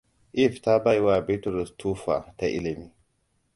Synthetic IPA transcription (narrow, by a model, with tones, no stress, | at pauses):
ʔɪ˦fta˦ba˦jwa˨be˦tɾɪ˨stʰuː˦fa̰˨ta˨ʔɪ̰˦lɪ˨miː˦